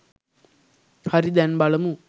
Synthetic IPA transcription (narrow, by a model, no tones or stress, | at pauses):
hɐɾid̪ɛnbɐɭɐmu